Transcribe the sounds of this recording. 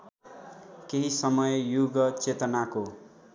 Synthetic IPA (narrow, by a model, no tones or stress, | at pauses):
keɦisʌmʌjjuɡʌt͡set̪ʌnako